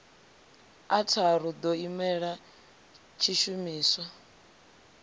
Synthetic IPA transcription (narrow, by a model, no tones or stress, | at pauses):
atʰaɾud̪ɔimɛɺa | t͡ʃʰiʃumiːswa